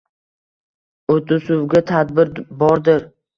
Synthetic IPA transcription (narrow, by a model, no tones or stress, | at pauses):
ot̪ʊsʊwɡʲat̪ʰad̪bɪɾbɒɾd̪ɪɾ